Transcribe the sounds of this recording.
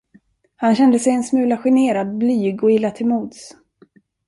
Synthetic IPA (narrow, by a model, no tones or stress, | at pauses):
hanɕɛnd̪əsɛjɛnsmʉ̟ːlaɧɪneːɾad̪̚blyːɡɔɪlːat̪ʰɪlmuːd̪s